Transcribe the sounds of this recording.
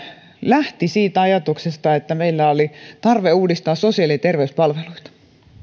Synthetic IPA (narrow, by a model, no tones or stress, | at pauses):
læht̪isiːt̪ɑjɑt̪uksest̪ɑet̪ːæmeilːæolit̪ɑrʋeuːdist̪ɑːsosiɑliɑt̪erʋeyspɑlʋeluit̪ɑ̥